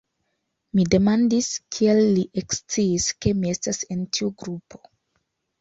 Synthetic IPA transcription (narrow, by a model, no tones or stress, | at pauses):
mide̞mandiskʰie̞lːiʔekst͡siːske̞mie̞stase̞ntʰiuɡɾupʰo̞